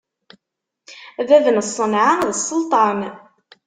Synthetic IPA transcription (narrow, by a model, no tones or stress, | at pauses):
ðæðnəsˤːənʕaðəsˤːəlt̪ˤɑn